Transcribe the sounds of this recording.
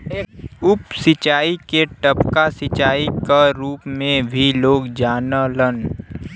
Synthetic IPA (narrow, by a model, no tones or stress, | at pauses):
eːkʊpsɪt͡ʃaːikeʈəpkasɪt͡ʃaːikaɾuːpmẽbʱiloːɡd͡ʒaːnələn